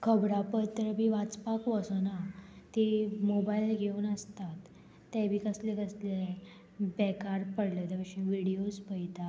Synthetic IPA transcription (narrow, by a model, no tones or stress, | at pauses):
kʰəbɽapəɾt̪əɾbʱiːʋat͡spakʋəsənat̪imobailɡʱeuːnəst̪at̪ː | ɛbʱiːkəslekəsle | bɛkaɾpəɽlet̪ʋəɕĩʋiɽijospəjt̪a